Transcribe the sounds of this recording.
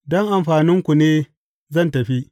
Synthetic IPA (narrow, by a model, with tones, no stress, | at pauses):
dɔ˦ŋʔa˨mɸaː˨nɪ˦ŋkʷu˨neː˦ | zɐ˦˨ntɐ˨ɸi˦ʔ